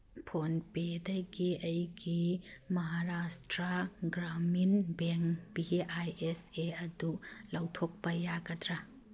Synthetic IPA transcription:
pʰonpedɐjɡiɐjɡimɐɦaɾastɾɐɡɾaminbeŋkbieʔajeseɐdulɐwtʰok̚pɐjaɡɐdɾɐ

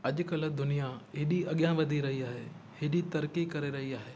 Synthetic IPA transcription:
ɐʄʊkɐld̪ʊnijaɦɪːɗiɐɠjãʋɐd̪ʱiɾɐɦiaːɦeː | hɪɗit̪ɐɾkikɐɾeɾɐɦiaːɦeː

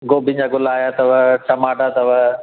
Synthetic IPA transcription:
ɡobɪ̃ɲd͡ʑaːɡʊlaːjat̪ɐʋɐt͡ɕɐmaːɖat̪ɐʋɐ

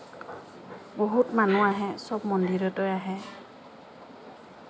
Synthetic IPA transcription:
boɦutmanuaɦɛsɔb̚mɔndiɹɔtɔjaɦɛ

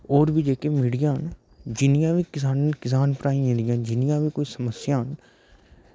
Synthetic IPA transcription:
ɔːɾbid͡ʒeːkeːmɪɽijãːn | d͡ʒɪnɪjãːʋiːkɪsaːnkɪs̬aːnpɾaːĩẽːd̪ijãːnd͡ʒɪnɪjãːʋiːkoːiːsəməsjaːn

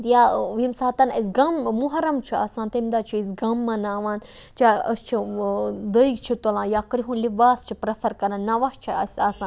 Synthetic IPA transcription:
t̪jaʋimsaːt̪ɐnɐsʲɡɐmmuɦɐɾɐmt͡ʃʰia̰ːsãːnt̪ɐmd̪aːt͡ʃʰuisɡɐmːɐnaːʋãːn | t͡ʃaɐst͡ʃʰid̪əikt͡ʃʰit̪ɐlãːjaːkɾiɦũnlibaːst͡ʃʰipɾɐfɐɾkɐnannɐʋɐht͡ʃʰiɐsʲaːsãːn

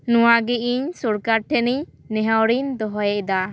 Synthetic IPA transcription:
nuwaɡɛʔiɲsuɾkaɾʈʰɛni | nɛɦawɾind̪ɔɦɔjɛʔd̪a

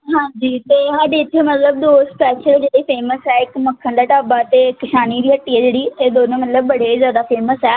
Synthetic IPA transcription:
ɦãːd͡ʒiːt̪eːɦaɖeɪtːemət̪ləb̚d̪oːspɛːʃəld͡ʒeːɽiːpʰeːməsɛːɪkməkʰːə̃nd̪aːʈaːbaːt̪eːkɪʃaːniːd̪iːɦəʈːiːɛːd͡ʒeːɽiːeːd̪oːnõːmət̪ləbːəɽeːzjaːd̪aːpʰeːməsɛː

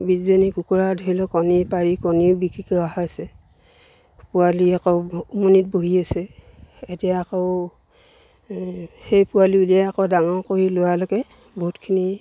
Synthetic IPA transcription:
bizenikukuɹadʱoilɔkɔnipaɹikɔnibikɹikɛaɦaasɛ | pualiakɔʊumonit̚boɦiasɛ | etijaakɔʊ | hejpʊaliuliaakɔdaŋɔkoɹilʊwalɔɡɛ | boɦutkʰini

